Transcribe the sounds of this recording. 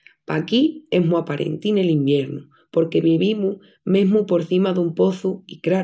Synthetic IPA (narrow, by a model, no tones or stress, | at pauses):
pakie̞ɦmuapaɾḛnt̪ine̞limbje̞ɾnu | po̞ɾke̞βiβimu | mẽ̞ɦmupo̞ɾθimaðumpo̞θuikɾa